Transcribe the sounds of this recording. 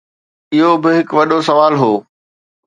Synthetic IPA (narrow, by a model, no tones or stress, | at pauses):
ɪɦobɪɦɪkʋɐɗosɐʋaːlɦoː